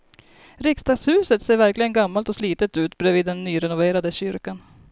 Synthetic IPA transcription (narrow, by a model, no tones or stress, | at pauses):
ɾɪkst̪ɑːɡshʉ̟ːsət̪seːɾvæɾklɪɡənɡamːalt̪ɔsliːt̪ət̪ʉ̟ːt̪bɾɛːviːd̪ːɛnːyːɾɛnʊveːɾad̪əɕʏɾkan